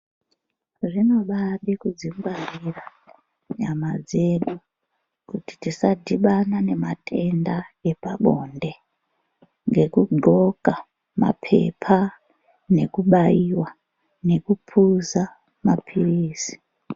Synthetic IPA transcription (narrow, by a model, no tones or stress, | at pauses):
ʐino̞ɓaɗikud͡ziŋɡwarira | ɲamad͡ze̞ɗu | kuti̥tisadʱiɓanane̞matʰe̞ndae̞paɓo̰nde̞ | ŋɡe̞kuɡʱo̞ka | ma̰pʰe̞̰pʰa | ne̞kuɓaiwa | ne̞kupʰuza | mapʰiriːsi̥